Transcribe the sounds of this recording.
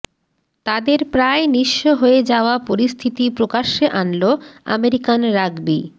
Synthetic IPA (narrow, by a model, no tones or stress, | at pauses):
t̪ad̪eɾpɾaeniʃːoɦoed͡ʑaoapoɾist̪ʰit̪ipɾokaʃeʔanloa̰meɾikanɾaɡbi